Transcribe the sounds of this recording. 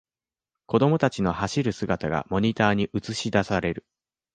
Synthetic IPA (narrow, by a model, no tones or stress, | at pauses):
ko̞d̪o̞mo̞t̪at͡ɕino̞haɕiɾɯ̟sɨɡat̪aɡa̰mo̞ɲ̟it̪aːɲ̟iʔɯt͡sɨɕid̪asaɾe̞ɾɯ̟